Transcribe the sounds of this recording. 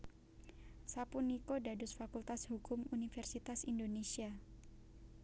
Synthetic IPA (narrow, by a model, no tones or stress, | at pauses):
sapunikodadʊsfakult̪ashukʊmunifɛrsit̪asindonesia